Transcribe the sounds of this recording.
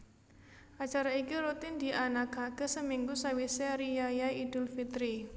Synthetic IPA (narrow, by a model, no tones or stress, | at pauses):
ʔat͡ʃaɾaikiɾut̪ind̪̥iʔanaɡ̥aɡ̥ə̤səmiŋɡusawiseɾijajaid̪̥ʊ̤lfit̪ɾi